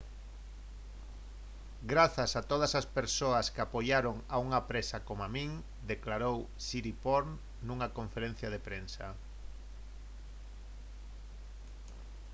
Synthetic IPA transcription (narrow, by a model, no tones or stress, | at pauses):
ɡɾaθɐsat̪oð̞ɐsaspeɾsoɐskɪapojaɾoŋauŋɐpɾesakomoamĩŋ | d̪eklaɾow | siɾipoɾn | nuŋakõɱfeɾẽn̟θjɐð̞epɾensɐ̰